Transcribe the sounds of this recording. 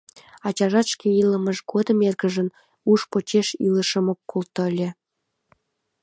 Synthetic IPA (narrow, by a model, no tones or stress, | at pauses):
ɑt͡ɕɑʒɑt̪ʃkeiləməʃɡod̪ə̆merɡəʒən | uʃpot͡ɕeʃiləʃəmokːkolt̪olʲĕ